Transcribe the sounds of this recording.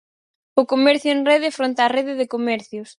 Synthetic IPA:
ʊkomɛɾθjʊeŋreðɪfɾont̪areðɪðɪkomɛɾθjʊs

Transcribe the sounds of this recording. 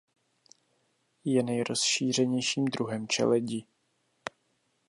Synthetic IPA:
jɛnɛjɾo̞sʃiːr̝ɛɲɛjʃiːmd̪ɾuɦɛmt͡ʃɛ̰lɛɟiː

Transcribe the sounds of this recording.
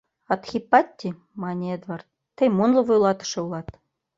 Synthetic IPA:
ɑt̪xʲipːɑt̪ʲːi | mɑnʲied̪vɑrt̪̚ːɘ̆jmunlˠɤ̆vujlˠɑt̪ɤ̥̆ʃɤ̆ulˠɑt̪

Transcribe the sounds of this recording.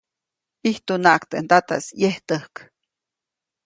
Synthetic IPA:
iht̪unaʔkt̪ent̪at̪a̰sjeht̪əhk

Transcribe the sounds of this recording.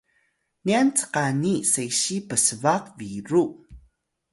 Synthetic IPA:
niant͡sə̥qanisejɕipəsəvaqviɾu

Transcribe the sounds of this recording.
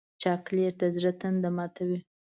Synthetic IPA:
t͡ʃɑkleɾt̪azɾat̪and̪amɑt̪ʰawi

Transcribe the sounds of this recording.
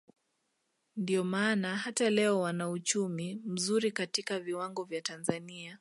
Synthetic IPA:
ndiɔmaːnaɦatalɛɔwanaut͡ʃumim̩zuɾikatikaviwaŋɡɔvjatanzania

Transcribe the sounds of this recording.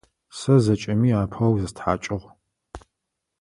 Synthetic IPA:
sɐzɐt͡ʃʼɐmiːaːpʰɐwzɨstħa̰ːt͡ʃʼɪʁ

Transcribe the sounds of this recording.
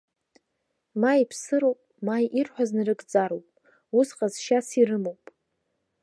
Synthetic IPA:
maipʰsɨɾowpʼmajʔirħʷᶣaznɨrɨɡʼd͡zaɾowpʼ | usqʼazʃasirɨmowpʼ

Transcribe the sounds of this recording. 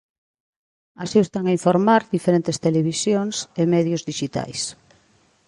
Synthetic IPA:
asiest̪aŋaiɱfoɾmaɾd̪ifeɾent̪est̪eleβisjoŋsemɛðjʊzðiʃit̪a̰js

